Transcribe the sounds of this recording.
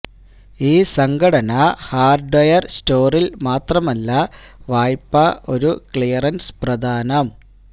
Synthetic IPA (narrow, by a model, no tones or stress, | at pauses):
iːsɐŋɡʰɐɽɐnɐhaːrɖɐjɐrsto̞ːrilmaːt̪rɐmɐlːɐ | ʋaːjpːɐʔo̞ɾukɭijɐrɐnsprɐd̪ʱaːnɐm